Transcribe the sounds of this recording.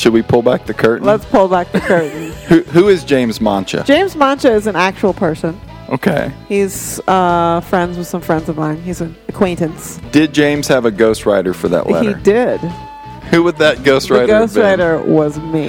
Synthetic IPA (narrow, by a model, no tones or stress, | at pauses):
ʃɨd̚wipʰʊlˠbæk̚ðɨkʰɜ˞ʔn̩lətspʰʊlˠbæk̚ðɨkʰɜ˞ʔn̩hʉɦuɪzd͡ʒẽɪ̃mzmɑ̃nt͡ʃɨ̰d͡ʒ̥ẽɪ̃mzmɑ̃nt͡ʃɨɨzɨ̃næk̚t͡ʃul̩ˠpʰɜ˞sɨ̃n | ʔoʊkʰeɪhiz̥ʌfɹɛ̃ndzwɨð̥sʌ̃ɱfɹɛ̃ndzʌvmãɪ̃nizɨ̃nɨkʰw̥ẽɪ̃ntɨ̃nsd̥ɪd̚d͡ʒẽɪ̃mz̥ɨvɨɡoʊst̚ɹaɪɾə˞fə˞ðə̰ʔlɛ̰iə˞dɪd̥ | huwəd̪̚ðɨt̚ɡ̥oʊst̚ɹaɪɾɡəoʊst̚ɹaɪɾə˞wʌzmi